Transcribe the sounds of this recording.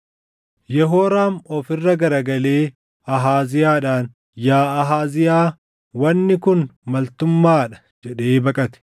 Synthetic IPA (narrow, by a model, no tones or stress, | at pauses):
jɛɦoːɾaːmɔfɪrːɐɡɐɾɐɡɐleː | ɐɦaːzɪjaːᶑaːn | jaːɐɦaːzɪjaː | wɐnːɪkʊnmɐlt̪ʊmːaːᶑɐ̥ | d͡ʒɛᶑeːbɐkʼɐt̪ɛ̥